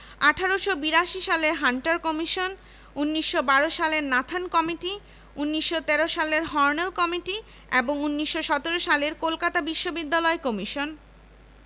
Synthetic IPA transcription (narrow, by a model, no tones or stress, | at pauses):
aʈʰaɾoʃobiɾaʃiʃaleɾɦaɳʈaɾkɔmiʃon | unːiʃːobaɾoʃaleɾnat̪ʰankɔmiʈi | unːiʃːot̪ɛɾoʃaleɾɦɔɾnelkɔmiʈi | eboŋunːiʃːoʃɔt̪eɾoʃaleɾkolkat̪abiʃːobid̪ːalɔekɔmiʃon